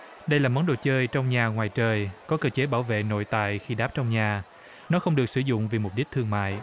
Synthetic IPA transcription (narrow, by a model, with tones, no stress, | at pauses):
ɗə˧jlaː˨˩mɔ˨˦nɗo̰˧˨˩t͡ɕəː˧jt͡ɕɔ˧wŋ͡mɲaː˨˩ŋwaː˨˩jt͡ɕəː˨˩jkɔ˨˦kəː˧t͡ɕe˨˦ɓaː˧˩wvḛ˧˨no̰˧˨jt̪a̰ː˧˨jxi˧ɗaː˦˥p̚t͡ɕɔ˧wŋ͡mɲaː˨˩ | nɔ˨˦xə˧wŋ͡mɗɨ˨˩ək̚sɨ˧˩zʊ̰˧˨ŋ͡mvi˨˩mʊ˨˩k͡p̚ɗi˦˥k̚t̪ʰɨ˧əŋma̰ː˧˨j